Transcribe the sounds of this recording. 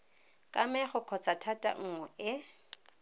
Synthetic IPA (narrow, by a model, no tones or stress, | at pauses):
kʼamɛχʊkʰɔt͡sʼatʰatʼa̰ŋ̩ŋwɛʔɪ